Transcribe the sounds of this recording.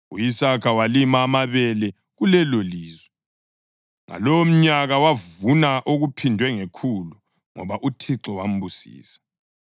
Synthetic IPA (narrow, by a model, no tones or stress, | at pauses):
ujisakʰawalimaːmaβɛlɛ | ɣulɛloliːzwɛ | ŋa̰lom̩ɲaɣawavunaʔoɣupʰindʱwɛŋekʰulu | ŋɔ̰βaʔutʰiǁɔwam̩busḭːsḁ